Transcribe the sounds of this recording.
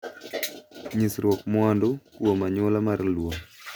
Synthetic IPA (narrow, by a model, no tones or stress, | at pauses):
ɲisɾwɔkmwandokwomaɲolamarlwoŋ